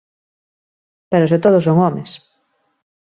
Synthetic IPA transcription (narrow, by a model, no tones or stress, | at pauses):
peɾoset̪oð̞osoŋɔmes